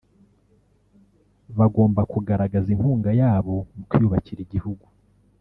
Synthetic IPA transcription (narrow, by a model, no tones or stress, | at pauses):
βaɡo̞ːmbakuɡaɾaɡaziŋhuːŋɡajaːβo̞mukujuβaciɾiɟihuɡu